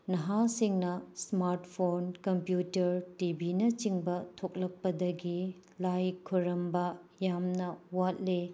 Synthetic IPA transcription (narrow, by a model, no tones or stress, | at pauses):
nɐɦasiŋnɐsmaɾtpʰonkɐmpjutɐɾtibʱinɐt͡ʃiŋbɐtʰok̚lɐk̚pɐdɐɡi | lajkʰːuɾɐmbɐjamnɐwat̚le